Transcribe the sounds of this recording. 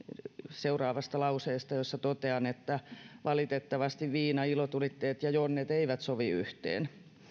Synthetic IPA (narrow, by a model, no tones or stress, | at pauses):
seurɑːʋɑst̪ɑlɑuseːst̪ɑjosːɑt̪ot̪eɑnet̪ːæʋɑlit̪et̪ːɑʋɑst̪iʋʋiːnɑilot̪ulit̪ːeːt̪jɑjonːet̪eiʋæt̪soʋiy̰ht̪ḛːn